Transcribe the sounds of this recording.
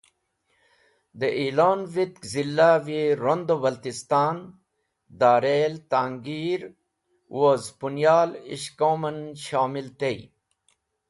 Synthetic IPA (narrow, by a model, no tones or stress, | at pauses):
d̪əʔiːloːnvit̪kzilːaʋiɾond̪obɐlt̪ist̪aːn | d̪aːɾelt̪aːŋɡiːɾ | wozpunjaːlḭʃkomɐnʃaːmilt̪ej